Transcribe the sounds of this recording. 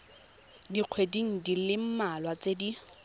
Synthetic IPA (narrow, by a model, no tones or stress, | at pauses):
diq͡χʰwediŋ̩dilɪm̩malwat͡sedi